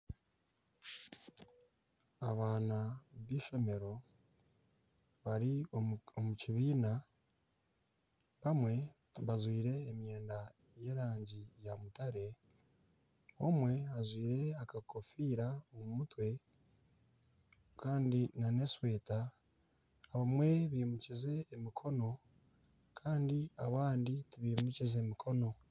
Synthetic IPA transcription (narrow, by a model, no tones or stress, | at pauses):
aβaːnaβiːʃo̞me̞ɾo̞ | βaɾiomuciβiːna | βamwe̞ | βazwiːɾe̞ːmje̞ːnda | je̞ːɾaːɲɟijamutaɾe̞ | omwe̞azwiːɾe̞akakofiːɾaomumutwe̞ | kaːndinane̞swe̞ːtaː | βamwe̞βiːmucize̞ːmikʰo̞no̞ | kʰaːndiaβaːnditiβiːmucize̞mikʰo̞no̞